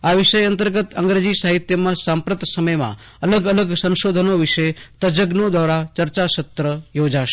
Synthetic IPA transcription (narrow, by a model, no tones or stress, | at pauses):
aʋɪʃəjənt̪əɾɡət̪ə̰̃ŋɡɾed͡ʒisaɦɪt̪jəmãsãmpɾət̪səməjmã̰ | ɐləɡələɡsə̃nʃoːd̪ʱənoʋɪʃet̪əd͡ʒəɡnõd̪ʱʋaːɾat͡ʃəɾt͡ʃaʃət̪ɾəjoːd͡ʒaʃe̥